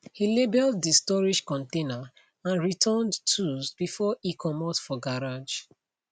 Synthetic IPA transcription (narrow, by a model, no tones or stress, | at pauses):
hilebɛlddistɔɹiʃkɔ̃ntena | ãnɹitʰɔ̃ndtʰuzbifɔikʰɔmɔtfɔɡaɹad͡ʒ